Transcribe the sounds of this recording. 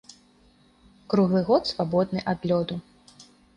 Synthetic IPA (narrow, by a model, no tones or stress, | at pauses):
kɾuɣlˠɨɣɔt̪svabɔd̪̚nɨʔad̪lʲɔd̪u